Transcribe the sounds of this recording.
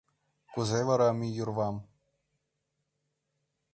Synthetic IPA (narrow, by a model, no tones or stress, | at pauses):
kuzʲejʋɑɾɑmʲijurʋɑm